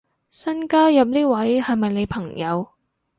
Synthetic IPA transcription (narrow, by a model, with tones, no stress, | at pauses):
sɐ˥nkaː˥jɐ˨p̚niː˥wɐ˨˥jhɐ˨jmɐ˨jne˨˧jpʰɐ˨˩ŋjɐ˨˧w